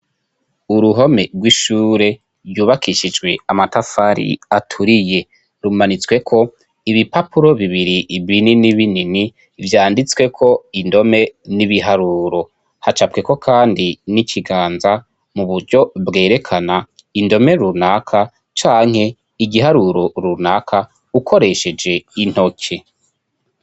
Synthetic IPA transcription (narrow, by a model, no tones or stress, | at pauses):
uɾuɦo̞me̞ɡwiʃuːɾe̞ | ɾjuːβakiʃid͡ʒɡwe̞amatafaɾḭatʰuɾije̞ | ɾumanit͡swe̞kʰo̞ | iβipapuɾo̞βiβiɾiβininiβinini | vjaːndit͡swe̞kʰo̞indo̞me̞niβiɦaɾuːɾo̞ | hat͡ʃab̚keko̞kʰaːndinicʰiɡaːnza | muβuɾɟo̞bɡe̞ːɾe̞kʰana | indo̞me̞ɾunakʰa | t͡ʃaːŋ̥he̞ | iɡiɦaɾuɾo̞ɾunakʰa | ukʰo̞ɾe̞ʃe̞d͡ʒe̞in̥ho̞kʰe̞